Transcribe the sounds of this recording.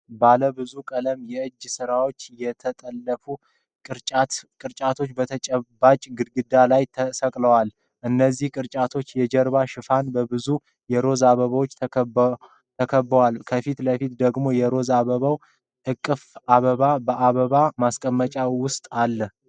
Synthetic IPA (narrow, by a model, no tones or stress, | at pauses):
baləbɨzukʼələmjɛʔɨd͡ʒːsɨɾawo̞t͡ʃːjɛt̪ʰət̪ʼəlːəfu | kʼɨɾt͡ʃʼat̪kʼɨɾt͡ʃʼat̪ʰo̞t͡ʃːbət̪ʰət͡ʃʼɛbat͡ʃʼɡɨd̪ɡɨd̪alajt̪ʰəsəkʼləwal | ʔɨnːəzːihkʼɨɾt͡ʃʼat̪ʰo̞t͡ʃːjɛd͡ʒɛɾβaʃɪfanbəbɨzu | jɛɾo̞zaβəβawot͡ʃːʰ | t̪ʰəkʰəbːəwalkʰəfit̪ləfit̪d̪əɡmo̞jɛɾo̞zaβəβaw | ɨkʼːɨfaβəβabəʔaβəβamaskʼəmːət͡ʃʼawʊst̪ʼalːəh